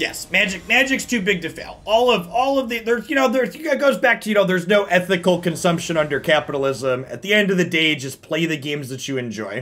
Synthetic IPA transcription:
jɛ̰smæd͡ʒɨk̚mæd͡ʒɨkstʰʉbɪɡ̚tɨfḛɪlˠɔlˠʌvɔlˠʌvðiðə˞zjɨñoʊðə˞zɡoʊzbæk̚tʰɨjɨnoʊðə˞znoʊʔɛθɨkl̩ˠkɨ̃nsʌ̃mpʃɨ̃ñʌ̃ndə˞kʰæpəɾl̩ˠɪzə̃mɨ̰t̪̚ðiɛ̃ndʌvðɨdeɪd͡ʒʌspʰl̥eɪðɨɡẽɪ̃mzðɨt͡ʃɨɨ̃nd͡ʒɔ̰ɪ

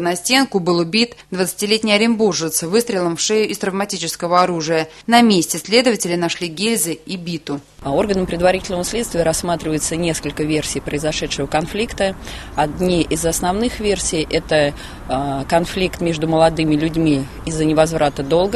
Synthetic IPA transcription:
nɐsʲtʲe̞nkʊbɨlˠʊbʲit̪d̪vət̪sɨ̥tʲɪlʲetʲnʲɪjɐɾʲɪnburʐɨt̪svɨst̪ɾʲɪlˠəmfʂejʊʔɪst̪ɾəvmɐtʲit͡ɕɪskəvəɐɾuʐɨjə | nɐmʲesʲtʲɪsʲlʲe̞d̪əvətʲɪlʲɪnɐʂlʲiɡʲelʲzʲɪibʲit̪ʊ | o̞rɡənəmpɾʲɪd̪vɐɾitʲɪlʲnəvəsʲlʲet̪st̪vʲɪjəɾɐsːmat̪ɾʲɪvəjɪt̪sənʲeskəlʲkəvʲe̞rsʲijpɾəɪzɐʂɛt̪ʂɨvəkɐnflʲikt̪ə | ɐd̪nʲiʔɪzɐsnɐvnɨxvʲersʲɪjʔɛt̪ə | kɐnflʲikt̪mʲe̞ʐd̪ʊməlˠɐd̪ɨmʲɪlʲʉdʲmʲi | ɪzːənʲɪvɐzvɾʔat̪əd̪o̞lˠɡə

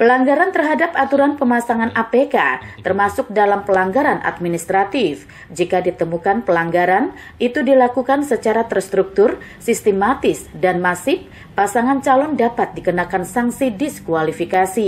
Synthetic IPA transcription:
pəlaŋɡaɾant̪ərɦadapat̪uɾanpəmasaŋanʔapekat̪ərmasʊk̚dalampəlaŋɡaɾanʔa̰t̪̚minist̪ɾat̪ɪf | d͡ʒikadit̪əmukanpəlaŋɡaɾan | ʔit̪udilakukansət͡ʃaɾat̪ərst̪ɾuk̚t̪ʊr | sist̪emat̪ɪsdanmasɪpː | asaŋant͡ʃalɔndapat̪̚dikənakansaŋsidiskualifikasi

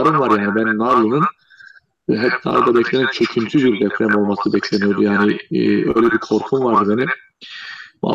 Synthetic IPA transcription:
ɾɯnvaɾjaːnibænːaɾlˠɯnɯn | ɦɛtna̰lˠd̪abɛcʰlʲeɛnt͡ʃʰøcʰynt̪ʰybiɾd̪ɛfɾɛmo̞lˠmasɯbɛcʰlʲenijod̪ujaːniø̰jlʲɛbikʰo̞ɾpʰumvaɾd̪ɯbeni | ma̰

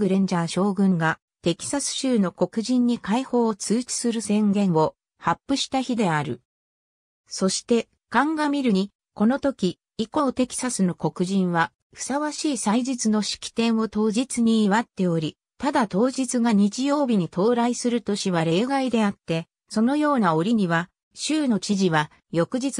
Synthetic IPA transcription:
ɡɯ̟ɾẽ̞ɲ̟d͡ʑaɕo̞ːɡɯ̟̃ŋɡa | t̪e̞kʲi̥sasɨ̥ɕɨːno̞ko̞kɯ̟ʑĩɲ̟ːikaiho̞ːt͡sɨːt͡ɕi̥sɨɾɯ̟sẽ̞ŋɡẽ̞ɰ̃o̞ | hapːɯ̟ɕi̥t̪açid̪e̞aɾɯ̟̰ | so̞ɕi̥t̪e̞ | kãŋɡamʲiɾɯ̟ɲ̟i | ko̞no̞t̪o̞kʲi | iko̞ːt̪e̞kʲi̥sasɨnoko̞kɯ̟ʑĩɰ̃βa | ɸɯ̟̥saβaɕiːsaid͡ʑit͡sɨno̞ɕi̥kʲi̥t̪ẽ̞ɰ̃o̞t̪o̞ːʑit͡sɨɲ̟iːβat̪ːe̞o̞ɾʲi | t̪ad̪at̪o̞ːʑit͡sɨɡaɲ̟it͡ɕijo̞ːbʲiɲ̟it̪ʰo̞ːɾaisɨɾɯ̟t̪o̞ɕiβaɾe̞ːɡaid̪e̞at̪ːe̞ | so̞no̞jo̞ːnao̞ɾʲiɲ̟iβa | ɕɨːno̞t͡ɕiʑiβa | jo̞kɯ̟ʑit͡s

